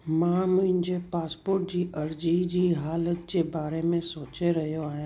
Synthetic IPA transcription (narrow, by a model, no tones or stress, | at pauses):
mãːmʊ̃ɦɪ̃ɲd͡ʑepaːspoːɾʈ̚d͡ʑiːʔɐɾd͡ʑid͡ʑiːɦaːlət̪d͡ʑeːbaːɾemẽsoːt͡ɕeɾɐɦijoaːɦjã